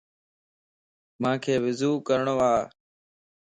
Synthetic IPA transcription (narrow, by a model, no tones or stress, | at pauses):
mãːkʰeːʋɪzuːkəɾɳoːaː